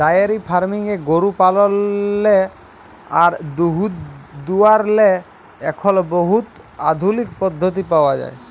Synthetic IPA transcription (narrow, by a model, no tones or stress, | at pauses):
ajaɾipʰaɾmiŋeɡoɾupalɔnle | aɾd̪uɦut̪d̪uaɾle | ɛkʰɔlboɦut̪ | a̰d̪ʱulikpɔd̪ʱːot̪̬ipaoad͡ʑa̰e